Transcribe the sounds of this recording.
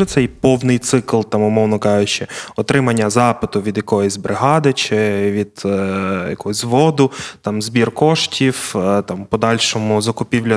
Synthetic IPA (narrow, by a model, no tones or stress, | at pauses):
ɛt̪sɛjpɔwnɪjt̪sɪklˠt̪ɑmʊmɔwnɔkɑjʊt͡ʃɛɔt̪ɾɪmɐnʲːɐzɑpɪt̪ʊʋʲid̪jɐkɔjɔsʲbɾɪɦɑd̪ɪt͡ʃɪʋʲid̪jɐ̰kɔɦɔzʲzʋɔd̪ʊt̪ɑmzbʲirkɔʃtʲiwt̪ɑmpɔd̪ɑlʲʃɔmʊzɐkʊpʲiwlʲɐ